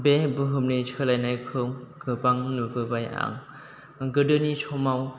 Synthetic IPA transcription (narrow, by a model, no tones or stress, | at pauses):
bebɯɦɯmnit͡ʃʰɯlajnajkʰɯŋɡ̥ɯbaŋnubɯbaja̰ŋ | ɡɯdɯnisʰɔmaw